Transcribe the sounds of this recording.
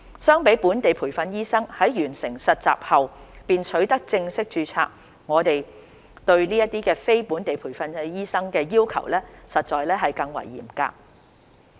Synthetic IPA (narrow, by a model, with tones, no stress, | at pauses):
sœː˥ŋpe˨˥jpuː˨˥nt̪e˨jpʰuː˨˩fɐ˧njiː˥sɐ˥ŋhɐ˨˥jjyː˨˩nsɪ˨˩ŋsɐ˨t̚t͡sa̰ː˨p̚hɐ˨wpiː˨nt͡ʃʰɵ˨˥ɥt̪ɐ˥k̚t͡sɪ˧ŋsɪ˥k̚t͡ʃyː˧t͡sʰa̰ː˧˥k̚ | ŋɔː˨˧t̪e˨j | t̪ɵ˧ɥliː˥jɐ˥t̚t̪iː˥kɛː˧fe˥jpuː˨˥nt̪e˨jpʰuː˨˩jfɐ˧njiː˥sɐ˥ŋkɛː˧jiː˥wkʰɐ̰˨˩wlɛː˥sɐ˨t̚t͡ʃɔː˨jlɛː˥ɦɐ˨jkɐ˧ŋwɐ̰˨˩jːḭː˨˩mka̰ː˧